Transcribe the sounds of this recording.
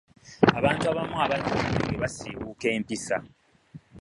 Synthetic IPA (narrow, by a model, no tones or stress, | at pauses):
aβaːntuaβamaβatiinḛŋɡeβasiβuke̞ːmpisa̰